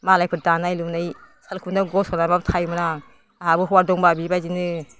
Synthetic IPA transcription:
malajpʰɯɾ̚danajlumnajsalkʰundaɡɔsɔnabab̚tʰajmɯna | aɦabɯɦɔwaɾdɔŋbabibajzinɯ

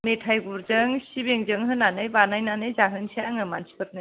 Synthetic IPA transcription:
metʰajɡuɾzɯŋsibeŋzɯŋɦɯnːanɯjbanajnanɯjzaɦɯnsiaŋɯmansʰi̥pʰɯt̚nɯ

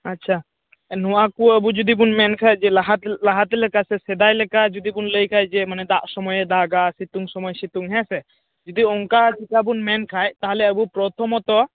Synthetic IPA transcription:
atːt͡ʃʰa | nɔwakuəbud͡ʒud̪ibunmɛnkʰajd͡ʒɛɦalaɦat̪ɛlɛkasɛsɛd̪ajlɛkad͡ʒud̪ibunləjkʰajd͡ʒɛmanɛd̪aʔsɔmɔjd̪aɡasit̪uŋsɔmɔjsit̪uŋɦɛ̃sɛ | d͡ʒɔd̪iɔŋkad͡ʒik̪abunmɛnkʰajt̪aɦalɛəbupɾɔt̪ʰɔmɔt̪ɔ

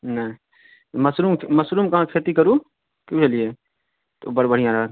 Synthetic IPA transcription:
ne | mɐsɾuːmmɐsɾuːmkɐɦãkʰeːt̪ikəɾuː | kjũːt͡ʃɐlieː | t̪obɐɾbəɽ̤ijãɾɦa

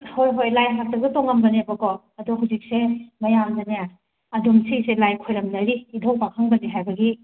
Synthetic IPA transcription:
hojɦojlajɦak̚tɐk̚ɡɐtoŋɐmbɐnebɐkɔ | ɐdɔɦuwzik̚semɐjamdɐnija | ɐdumsiselajkʰojɾɐmnɐɾiːdʱowk̚pakʰaŋbɐniɦajbɐɡi

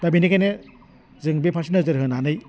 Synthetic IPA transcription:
dabinikʰane | zɯŋbipʰasinazɯɾɦɯnanɯj

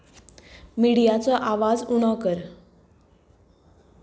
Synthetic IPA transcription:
miɽijat͡sɔʔaʋad͡zuɽ̃ɔkəɾ

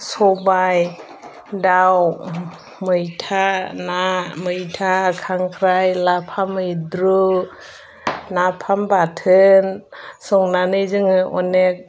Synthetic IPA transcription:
sɔbaj | daw | mɯjtʰanamɯjtʰakʰaŋkʰɾajlapʰamɯjdɾu | napʰambatʰɯnsɔŋnanɯjzɯŋɯʔɔnek̚

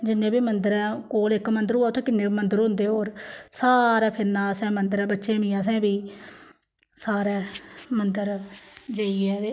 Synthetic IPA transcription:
d͡ʒɪnːẽːbiːmənd̪əɾɛ̃ːkoːlɪkmənd̪əɾɦoːaːt̪ʰoːkɪnːeːmənd̪əɾɦʊ̃nd̪eːɦoːɾsaːɾɛːpʰɪɾnaːsɛ̃ːmənd̪əɾɛ̃ːbətːʃẽːmĩːãːs̬ɛ̃ːbiː | saːɾɛːmənd̪əɾd͡ʒeːiɛːeː

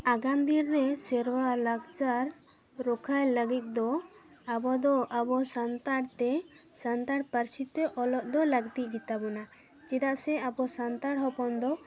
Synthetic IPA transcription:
aɡand̪iɾːɛsɛɾwalaɡt͡ʃaɾ | ɾɔkʰajləɡit̪̚ˀd̪ɔ | abɔd̪ɔʔabɔsant̪aɽt̪ɛ | sant̪aɽpəɾsit̪ɛʔɔlɔʔ̚d̪ɔləɡt̪iʔ̚ˀɡit̪abɔna | t͡ʃid̪aʔsɛabɔsant̪aɽɦɔpɔnd̪ɔ

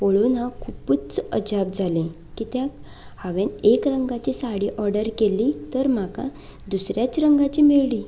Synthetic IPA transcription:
poɭunakʰuput͡səd͡ʑap̚d͡zʱalẽ | kit̪jak | haʋenekɾəŋɡat͡ɕisaɽiʔɔɾɖəɾkelit̪əɾm̤aka̰ | d̪usɾjat͡sɾəŋɡat͡ɕimeɭli

